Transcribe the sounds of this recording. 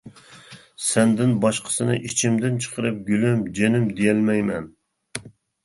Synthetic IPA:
sɛnd̪ɪnbɑʃqʰə̥sɨnɨ̰ʔit͡ʃʰɪmd̪ɪnt͡ʃʰə̥qʰəɾɨp̚ɡʲylɪmd͡ʒenɪmd̪ejɛlmɛjmɛn

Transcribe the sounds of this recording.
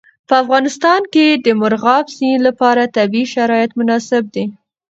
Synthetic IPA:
pəafɣɑnɪst̪ɑnked̪əmʊɾɣɑbzinlapɑɾat̪abiiʃaɾɑjɪt̪mʊnɑsɪb̚d̪e

